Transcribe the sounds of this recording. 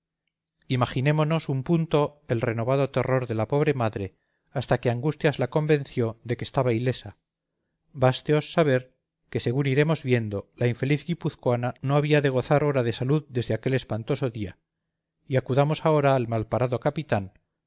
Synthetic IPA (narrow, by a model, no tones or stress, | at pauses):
imaxinẽ̞mo̞no̞sumpunt̪o̞e̞lre̞no̞βaðo̞t̪e̞ro̞ɾðe̞lapo̞β̞ɾe̞maðɾe̞ | ast̪ake̞aŋɡust̪jazlako̞mbẽ̞n̟θjo̞ðekest̪aβaile̞sa | bast̪eo̞sːaβ̞e̞ɾ | ke̞se̞ɣuniɾe̞mo̞zβje̞nd̪o̞laiɱfe̞liθɡipuθkwanano̞aβiaðe̞ɣ̞o̞θaɾo̞ɾaðe̞saluðd̪e̞zðeake̞le̞spant̪o̞so̞ðia | iakuðamosaoɾaːlmalpaɾaðo̞kapit̪an